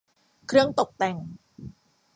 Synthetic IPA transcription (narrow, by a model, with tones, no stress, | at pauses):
kʰrɨ˧əŋt̪o˨˩k̚t̪ɛ˧ŋ